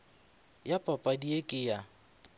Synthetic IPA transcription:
japʼapʼadiekʼɪja

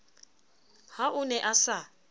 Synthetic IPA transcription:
haʔʊnɛʔasa

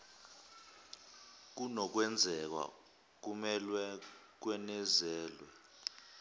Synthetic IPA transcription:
k̬unɔk̬wɛnd͡zʱɛk̬wa̰ | k̬umɛlwɛk̬wɛnɛzɛːlwɛ

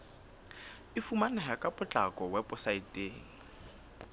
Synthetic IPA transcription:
ɪfumanɛɦakʼapʼʊt͡ɬʼakʼɔwɛpʼʊsaitʼeːŋ̩

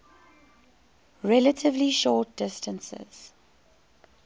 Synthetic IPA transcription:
ɹɛlətʰɪvliʃɔːt̚d̥ɪstə̃nsɪ̰z̥

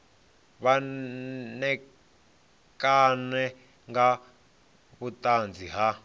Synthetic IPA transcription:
βa | nɛ | kanɛ | ŋɡa | βutʼand͡zʱiɦa

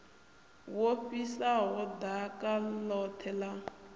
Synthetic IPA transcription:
woɸisaɦɔd̪akʼalɔtʰɛla

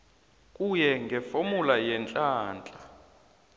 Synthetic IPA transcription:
kʼujɛŋɡʱɛfomulajɛnt͡ɬʼaːnt͡ɬʼa

